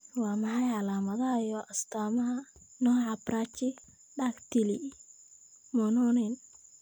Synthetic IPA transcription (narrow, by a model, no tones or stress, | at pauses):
wɑːmɑħɑjʕɑlaːmɐðɐɦɐjɔːʔɐst̪ʰaːmɐɦɐnɔːʕɑbraːt͡ʃɪ | ɖaːkt̪ʰɪli | mɔnɔːnɛn